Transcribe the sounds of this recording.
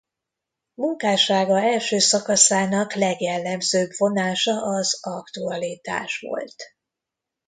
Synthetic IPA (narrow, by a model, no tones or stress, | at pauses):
muŋkaːʃaːɡɒɛlʃøːsɒkɒsaːnɒklɛɡjɛlːɛmzøːbvo̞naːʃɒʔɒzɒkt̪uɒlit̪a̰ːʃʋo̞̰lt̪